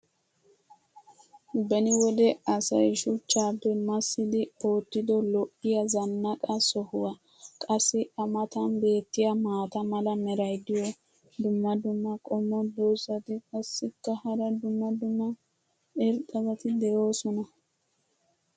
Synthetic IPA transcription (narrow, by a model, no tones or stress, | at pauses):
bɐnɪwɔd̪ɛɐsɐjʃʊt͡ʃːaːd̪ɔmɐsːɪd̪ɪpo̞ːt̪ːɪd̪ɔlɔʔɪjɐzɐnːɐkʼɐsɔhʊwɐ | kʼɐsːɪɐmɐt̪ɐnbe̞ːt̪ːɪjɐmaːt̪ɐmɐlɐmɛɾɐjd̪ɪjɔ | d̪ʊmːɐd̪ʊmːɐkʼɔmːɔd̪oːsɐt̪ɪkʼɐsːɪkːɐhɐɾɐd̪ʊmːɐd̪ʊmːɐ | ɛɾt̪ʼɐzɐt̪ɪd̪ɛjo̞ːsɔnɐ